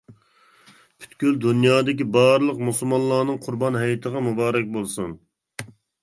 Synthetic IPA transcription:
pʰy̥t̪kʲyld̪unjɑːd̪ɪkʲibɑɾɨlˠəqmusulˠmɑnlˠɑːnɨŋqʰʊɾbɑnɦɛjɪt̪ʰəʁɑmubɑːɾɛk̚ʲbolˠsun

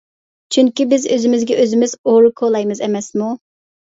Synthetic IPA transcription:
t͡ʃʰyŋkʲibɪzøzɪmɪzɡʲɛʔøzɪmɪzoɾukʰolˠɑjmɨzɛmɛsmu

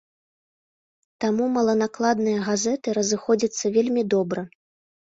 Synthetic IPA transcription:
t̪amumɐlˠɐnaklˠad̪nɨjɐɣazɛt̪ɨɾɐzɨxɔd͡zʲit̪sːɐvʲelʲmʲid̪ɔbɾɐ

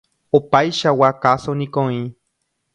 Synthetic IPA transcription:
opaiʃawakasonikoi

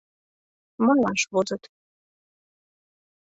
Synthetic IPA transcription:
mɤ̆nlɑnʃβozət̪

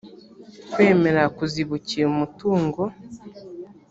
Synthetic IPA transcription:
kweːmeɾakuziβuciomutuːŋɡo

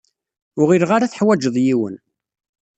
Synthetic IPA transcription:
ʊʁiɾʁaɾaθəħwæd͡ʒəðˤjiwə̰n

